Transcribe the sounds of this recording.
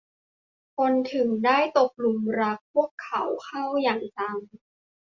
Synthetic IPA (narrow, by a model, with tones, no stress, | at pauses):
kʰo˧nt̪ʰɯ˨˩˦ŋdaː˥˩jt̪o˨˩k̚lu˨˩mɾa˦˧˥k̚pʰu˥˩əkʰːa˩˦wkʰa˥˩wjaː˨˩ŋt͡ɕa˧m